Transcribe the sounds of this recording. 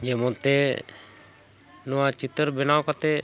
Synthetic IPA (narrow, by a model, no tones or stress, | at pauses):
d͡ʒɛmɔ̃t̪e | nɔwat͡ʃit̪əɾbɛnawkat̪e